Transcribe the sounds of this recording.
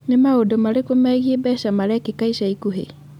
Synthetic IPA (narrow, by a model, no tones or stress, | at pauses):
nemaodomaɾekomɛɣiebɛʃamaɾɛkekaisaikuɦḛ